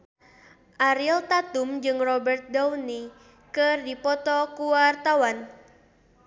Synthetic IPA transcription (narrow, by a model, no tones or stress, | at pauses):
ʔaɾilt̪at̪umd͡ʒɨŋrɔbɛrt̪̚dawni | kɨrdipɔt̪ɔkuwart̪awan